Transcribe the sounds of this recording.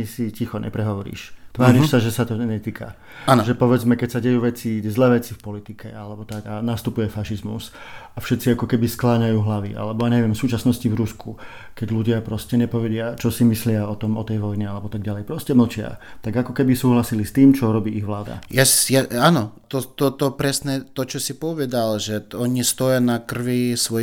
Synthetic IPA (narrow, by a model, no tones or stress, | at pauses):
isicixɔɲʔɛ̰pɾɛɦɔʋɔɾḭːʃt̪ʋaːɾiʃsaʒɛsat̪ɔɲɛt̪iːkʰa̰ | anʒɛpɔʋɛd͡zmɛkɛcsaɟɛjuːʋɛt͡sizlɛːʋɛt͡sifpɔlit̪ikɛalɛbɔt̪aɡanast̪upujɛfaʃizmṵsafʃɛt̪t͡siakɔkɛbisklaːɲajuːɦlaʋiʔa̰lɛbɔjaːɲɛʋɪɛmfsuːt͡ʃasnɔscivɾusku | kɛɟluɟɪapɾɔscɛɲɛpɔʋɛɟɪat͡ʃɔsimislɪaɔt̪ɔmɔt̪ɛjʋɔjnialɛbɔt̪aɡ̚ɟalɛjpɾɔscɛml̩t͡ʃɪa̰t̪aɡakɔkɛbisuːɦlasilist̪iːmt͡ʃɔɾɔbiːiɣʋlaːd̪a̰jasjaanɔt̪ɔt̪ɔt̪ɔpɾɛsnɛt̪ɔt͡ʃɔsipɔʋɛd̪alʒɛɔɲist̪ɔjanakr̩ʋisʋɔ